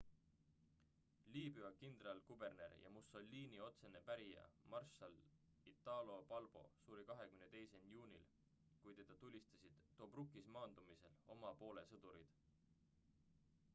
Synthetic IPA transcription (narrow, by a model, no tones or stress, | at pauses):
liːbyɑkind̪̥rɑlkube̞rne̞̰ɾjʔɑ̰muso̞lʲːiːnio̞t̪se̞ne̞pæɾijɑ̰mɑrʃɑl | it̪ːˑɑlo̞pɑlb̥o̞̰suːɾikɑɦe̞kymnet̪e̞jse̞njuːnʲil | kujt̪e̞d̪̥ɑt̪ulʲːist̪ɑ̥sid̪̥ːo̞ːbrukːismɑːnd̪̥umise̞lo̞mɑpo̞ːle̞sɤd̪̥uɾid̪̥